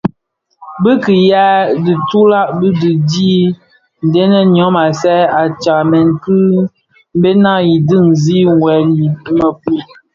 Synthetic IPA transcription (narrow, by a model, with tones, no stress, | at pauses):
bə˦ki˨ja˦di˨tu˦la˦ʔbɨ˦di˨diː˦ | n̩˨dɛ˦nə˦n˨ɔ˨˦ma˨sɛ˦a˨t͡ʃa˨mɛ˨ŋ˨kɨ˦ | m˦be˦na˦˨ji˨dɨ˦ŋ˨zi˦ŋwɛ˨˦li˨˦mə˨pi˦˨